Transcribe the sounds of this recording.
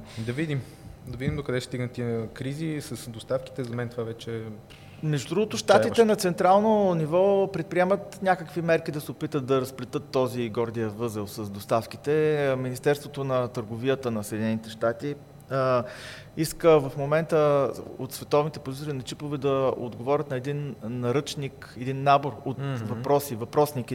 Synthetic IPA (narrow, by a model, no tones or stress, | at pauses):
d̪ɐvid̪im | d̪ɐvid̪ʲimd̪okɐd̪ɛʃɛst̪iɡnət̪ikɾizisəsd̪ost̪afki̥t̪ɛzɐmɛnt̪ovavɛt͡ʃɛ | mɛʒd̪ud̪ɾuɡot̪ʊʃt̪at̪iɛnɐt̪sɛnt̪ɾalˠnonivɔpɾɛt̪̚pɾiɛmət̪nʲakəkvimɛɾk̟id̪ɐsɛopit̪ət̪̚d̪ɐɾɐsplɛt̪ɤt̪ːɔziɡɔɾd̪ijəvɤzəlsəsd̪ost̪afk̟it̪ɛminist̪ɛɾst̪vot̪onɐt̪əɾɡovijət̪ənɐsɛd̪ʲinɛnit̪ɛʃt̪at̪i | iskəvɐfmomɛnt̪əo̰t̪svɛt̪ɔvnit̪ɛpozit̪oɾinɐt͡ʃipovɛd̪ɐo̰d̪ɡovɔɾʲət̪nɐɛd̪inːɐɾɤt͡ʃnikɛd̪inːaboɾot̪vɐpɾɔsivɐpɾɔsniki